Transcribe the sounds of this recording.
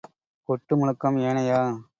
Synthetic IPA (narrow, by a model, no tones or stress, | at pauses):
kɔʈːɯmʊɳɯkːɐmeːnɐjaː